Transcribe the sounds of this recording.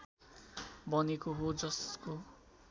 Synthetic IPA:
bʌnekoɦod͡zʌsko

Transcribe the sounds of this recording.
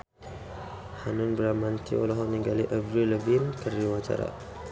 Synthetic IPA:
hanunbəɾamant̪ḭolaɦɔniŋɡaliʔəbɾiləbinkəriwat͡ʃa̰ɾa̰

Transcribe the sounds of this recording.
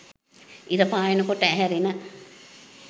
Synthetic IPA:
iɾəpaːjenəkoʈːəæɦɛɾinə

